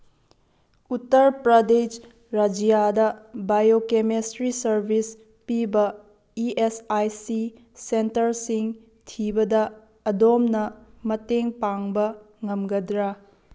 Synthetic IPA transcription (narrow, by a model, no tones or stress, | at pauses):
utːɐɾpɾɐded͡ʒ | ɾɐd͡ʒijadɐbajokemesɾisɐɾbʱis | pibɐ | iesajsi | sentɐɾsiŋ | tʰibɐdɐː | domnɐmɐteŋpaŋbɐ | ŋɐmɡɐdɾa